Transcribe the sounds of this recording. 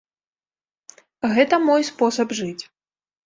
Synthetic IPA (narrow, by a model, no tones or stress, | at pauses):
ɣɛt̪ɐmɔjspɔsɐbʐɨt͡sʲ